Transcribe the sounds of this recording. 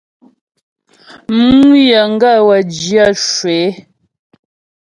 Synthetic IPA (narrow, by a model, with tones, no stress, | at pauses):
mu˦ja˨ŋ˦ɡa˦˨wa˨d͡ʒja˦˨ʃwe˨˦